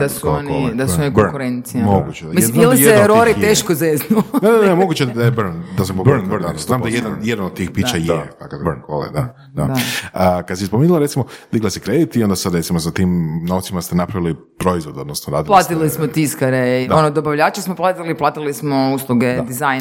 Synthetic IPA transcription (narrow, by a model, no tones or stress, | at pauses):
d̪̥asuoonko̰ld̪asuonikkuɾent̪sijmoɡut͡ʃejmisnmailijeɾoɾieːʃkozeznunennemoɡut͡ʃed̪aebɾnd̪asampobb̪amd̪ajed̪anjed̪anod̪t̪iːxpit͡ʃajet̪akobko̰lḛd̪a̰ | d̪a̰əkad̪sispomeːnulaɾetsimod̪iɡlasikɾed̪it̪iond̪asad̪ɾet̪simosat̪imnoʋt̪simast̪enapɾaʋili | pɾoizʋo̞d̪o̞d̪nosnodɾa̰ːd̪plat̪ilismot̪iskaɾeionod̪obaʋʎat͡ʃesmoplˠat̪iliplˠaːt̪ilismouslˠuɡed̪izaj